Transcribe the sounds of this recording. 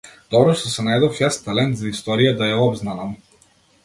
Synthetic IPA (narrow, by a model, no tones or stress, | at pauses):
d̪̥ɔbɾɔʃt̪ɔsɛnajd̪ɔfjast̪alɛnt̪zaist̪ɔɾijad̪ajaɔbznanam